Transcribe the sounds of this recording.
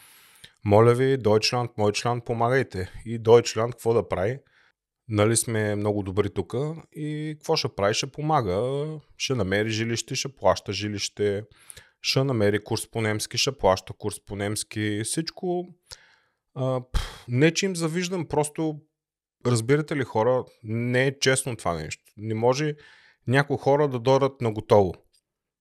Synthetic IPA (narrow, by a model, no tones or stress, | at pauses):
mɔlʲəvid̪ɔjt͡ʃlʲant̪mɔjt͡ʃlʲan̚pomaɡəjt̪ɛid̪ɔjt͡ʃlʲant̪̚kvɔd̪ɐpɾavi | nɐlismɛmnɔɡʊd̪obɾit̪ukəikvɔʃɛpɾaviʃɛpomaɡəʃɛnɐmɛɾiʒiliʃt̪ɛʃɛplˠaʃt̪əʒiliʃt̪ɛ | ʃɛnɐmɛɾikuɾsponɛmsk̟ʲiʃɛplˠaʃt̪əkuɾsponɛmsk̟ʲisit͡ʃkʊ | əpnɛt͡ʃɛimzɐviʒd̪əmpɾɔst̪ʊ | ɾɐzbiɾət̪ɛlixɔɾənɛːt͡ʃɛsnʊt̪vanɛ̰ʃt̪o̥nɛmɔʒɛ | nʲakʊjxɔɾəd̪ɐd̪ɔɾət̪nɐɡot̪ɔvʊ